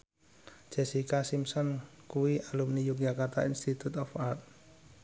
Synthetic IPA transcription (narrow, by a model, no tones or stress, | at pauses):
d͡ʒ̥ɛ̤sikasimsɔnkuwiʔalumnijuk̚d͡ʒakart̪a̰inst̪it̪ut̪ɔfart̪̚